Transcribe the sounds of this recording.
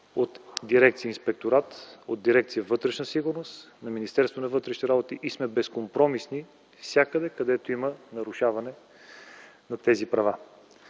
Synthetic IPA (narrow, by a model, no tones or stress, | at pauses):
ot̪d̪iɾɛk̚t̪siəinspɛk̚t̪oɾat̪od̪̚d̪iɾɛk̚t̪sijəvɤt̪ɾɛʃnəsiɡʊɾnost̪ | nɐminist̪ɛɾst̪vonɐvɤt̪ɾɛʃniɾabot̪iʔismɛbɛskompɾɔmisni | fsʲjakəd̪ɛkɐd̪ɛt̪oimənɐɾʊʃavɐnɛ | nɐt̪ɛzipɾɐva